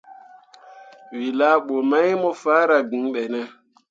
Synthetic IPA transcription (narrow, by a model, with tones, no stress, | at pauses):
wi˨la˦ɓo˨ma˦jmɔ˦faː˦ɾa˨ɡĩ˨˦ɓɛ˨nɛ˦